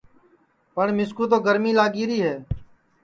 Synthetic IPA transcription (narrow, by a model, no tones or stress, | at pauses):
pəɳmɪskuːt̪̬oːɡəɾmiːlaːɡiːɾiːɦɛː